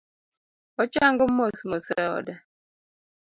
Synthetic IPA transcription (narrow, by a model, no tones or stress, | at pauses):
ɔt͡ʃaŋɡəm̩mosmosɛɔ̰dɛ